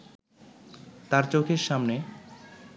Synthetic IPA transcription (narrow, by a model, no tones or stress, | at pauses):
t̪aɾt͡ɕokʰeɾʃamne